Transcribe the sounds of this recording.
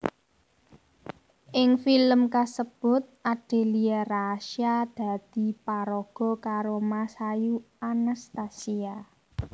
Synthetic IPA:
ʔɪŋfiləmkasəb̥ʊ̤t̪̚ʔaɖ̥e̤lieraʃiad̪̥ä̤d̪̥i̤paɾɔɡ̥ɔ̤kaɾomasaju | anast̪asia

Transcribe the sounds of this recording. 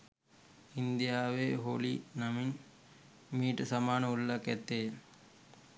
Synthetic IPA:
ind̪ijaːʋeːɦoːlinɐmin | miːʈsɐmaːnɐulːɐkɛt̪ːeː

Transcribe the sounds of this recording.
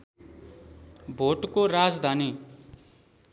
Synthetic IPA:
bʱoʈkoɾad͡zd̪ʱani

